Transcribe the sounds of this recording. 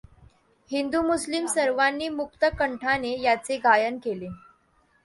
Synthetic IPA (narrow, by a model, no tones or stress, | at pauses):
hind̪umuslimsəɾʋanːiːmukt̪əkəɳʈʰanejat͡seɡʱajənkele